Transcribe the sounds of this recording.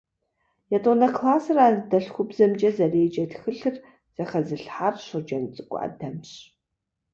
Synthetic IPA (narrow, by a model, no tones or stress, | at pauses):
jɛtʼonɐkʰlaːsɨradɐɬxʷʊbzɐmd͡ʒʼɐzɐreːd͡ʒɐtxɨɬɨr | z̥ɐχɐzɨɬħarɕʷɨd͡ʒɐnt͡sʼɨkʷʼʊ̰a̰dɐmɕ